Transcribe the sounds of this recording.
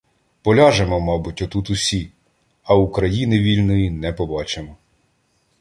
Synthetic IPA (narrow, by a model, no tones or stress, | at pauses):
pɔlʲɑʒemɔmɑbʊtʲɔt̪ut̪ʊsʲi | ɐukɾɐjinɪʋʲilʲnɔjinɛpɔbɑt͡ʃemɔ